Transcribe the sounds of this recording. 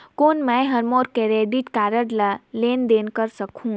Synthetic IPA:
koːnmɛ̃ɦəɾmoːɾkeɾeːɖiʈkaːɾəɽləleːnd̪eːnkəɾsəkũ

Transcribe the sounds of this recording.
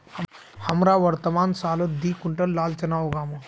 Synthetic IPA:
həmɾaʋɐɾt̪əmansaːləd̪iːkuɳʈəllaːlt͡ɕɐnaʋɡaːmə

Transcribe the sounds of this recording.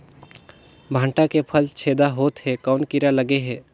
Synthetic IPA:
bʱãːɳʈakepʰəlt͡ʃʰeːd̪aɦoːt̪ɦɛkaʊnkiɾaləɡeɦɛ̃ː

